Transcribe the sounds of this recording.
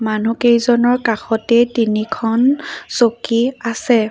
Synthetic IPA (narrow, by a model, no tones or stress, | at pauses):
manukejzɔnɔɹkaxɔtɛtinikʰɔnsokiasɛ